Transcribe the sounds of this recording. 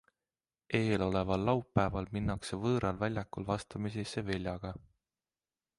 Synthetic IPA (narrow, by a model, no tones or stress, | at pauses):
ʔe̞ːlo̞le̞vɑlːɑwpːæevɑlminːɑkse̞vɤːɾʔɑlvælʲjɑkːulvɑst̪ɑmisisːevelʲjɑɡ̥ɑ